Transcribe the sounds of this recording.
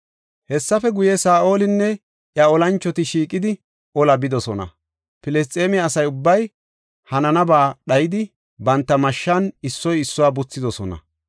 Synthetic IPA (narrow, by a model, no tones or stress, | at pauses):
hɛsːɐfɛɡʊjɛsaːʔo̞ːlɪnːɛ | ʔjɐɔlɐnt͡ʃːɔt̪ɪʃiːkʼːɪd̪ɪ | ʔɔlɐbɪd̪ɔsɔnɐ̰ | pɪlɛs̬t̪ʼeːmɪɐsɐjʊbːɐj | hɐnɐnɐbaːɗɐjɪd̪ɪ | bɐnt̪ːɐmɐʃːɐnɪsːɔjɪsːʊwaːbʊt͡sːɪd̪ɔsɔnɐ̰